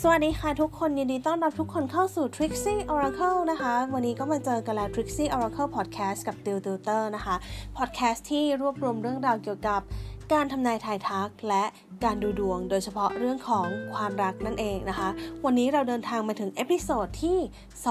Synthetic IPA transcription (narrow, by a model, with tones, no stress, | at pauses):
sa˧wa˨˩t̪̚nːiː˦˥xʰaː˧˩jt̪ʰu˦˥kʰːo˧nji˧ndiː˧t̪ɔ˥˩nɾa˦˥p̚t̪ʰu˦˥kʰːo˧nkʰa˥˩wsuː˨˩t̪ʰɾi˦˥k̚siː˥˩ʔɔː˧ɾa˧kʰɤ˥˩wna˦˥kʰa˦˥wa˧nːiː˦˥kɔː˥˩maː˧t͡ɕɤː˧ka˧nlɛː˦˥wt̪ʰɾi˦˥k̚siː˥˩ʔɔː˧ɾa˧kʰɤ˥˩pʰɔː˨˩t̪̚kʰɛː˦˥ska˨˩p̚t̪i˧wt̪i˧t̪ɤː˥˩na˦˥kʰa˦˥pʰɔ˨˩t̪̚kʰɛː˦˥st̪ʰːiː˥˩ɾu˥˩əp̚ɾu˧əmɾɯ˥˩əŋɾaː˧wki˨˩əwka˨˩p̚kaː˧nt̪ʰa˧mnaː˧jt̪ʰaː˧jt̪ʰa˦˥k̚lɛ˦˥ʔ | kaː˧nduː˧du˧˩əŋdoː˧jt͡ɕʰa˧pʰɔ˦˥ɾɯ˥˩əŋkʰɔː˩˦ŋkʰwaː˧mɾa˦˥k̚na˥˩nʔeː˨˩ŋna˦˥kʰa˦˥ʔwa˧nːiː˦˥ɾa˧wdɤː˧nt̪ʰaː˧ŋmaː˧t̪ʰɯ˩˦ŋʔe˦˥pʰi˧˥soː˨˩t̪ʰːiː˥˩ | s